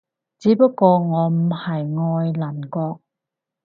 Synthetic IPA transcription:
t͡siː˨˥pɐ˥kːɔː˧ŋɔː˨˧m̩˨˩hɐ˨jŋɔː˧jlɐ˨˩nkɔː˧k̚

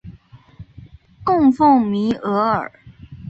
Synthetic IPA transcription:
kʊ˥˧ŋfʊ˥˩ŋmi˧˥ʔɤ˧˥ə̰˞˨˩

